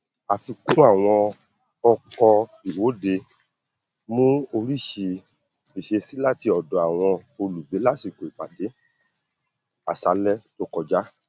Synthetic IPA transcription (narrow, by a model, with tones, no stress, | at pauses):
a˧fi˧kũ˦a˦˨w̃ɔ̃˧ | ɔ˧kɔ˧i˨wo˨˦de˧ | mũ˦o˧ɾi˦˨ʃe˧ | i˨ʃe˧si˦la˦ti˧ɔ˨dɔ˨a˨w̃ɔ̃˧o˧lu˨be˨˦la˦si˦˨ko˨i˨ɡ͡ba̰˨de˨˦ | a̰˨sa˧˦lɛ˦to˦kɔ˧d͡ʒa˦